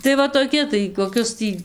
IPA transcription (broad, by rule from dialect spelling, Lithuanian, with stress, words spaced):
tɐɪ ˈʋɐ toːˈkʲɪ tɐɪ koːˈkʲʊs ˈtʲiː